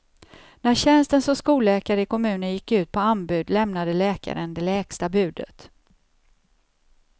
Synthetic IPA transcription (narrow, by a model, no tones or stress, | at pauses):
næɕɛnst̪ənsɔmskuːlɛːkaɾəɪkʰɔmʉ̟ːnənjɪkːʉ̟ːt̪̚pʰɔanbʉ̟ːd̪lɛmnad̪əlɛːka̰ɾənd̪ɛlɛːkst̪abʉ̟ːd̪ə̰t̪